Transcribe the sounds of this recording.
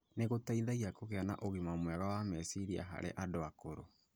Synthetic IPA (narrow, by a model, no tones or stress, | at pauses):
neɣotaiðaɣiakoɣeana̰ʔoɣimamwɛɣawamɛsiɾia̰ɦa̰ɾḛʔadoakoɾo